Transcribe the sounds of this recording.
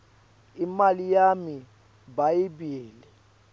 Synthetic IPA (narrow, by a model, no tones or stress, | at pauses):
imalijami | bajibiːlɛ